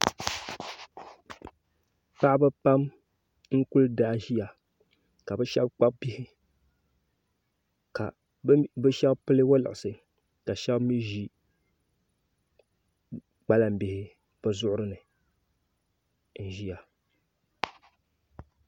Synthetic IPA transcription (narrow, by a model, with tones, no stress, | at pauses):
pa˦ʔbɨ˦pa˦m | ŋ̩˦ku˦lda˦ʒi˦ja˨ | ka˨bɛ˦ʃɛ˦bk͡pa˦b̚bi˦hɪ˦ | ka̰˨˦ | bɨ˦ʃɛ˦bpɨ˦lɨ˦wo˦lɨ̰˨ʔʊ˨sɨ˨ | ka˨ʃɛ˦bmi˦ʒi˦ | k͡pa˦la˨m̩˨bi˨hɪ˦ | b̥ɨ˨zʊ˦ʔʊ˦ɾɨ˦nɨ˨ | n̩˨ʒi˦ja˨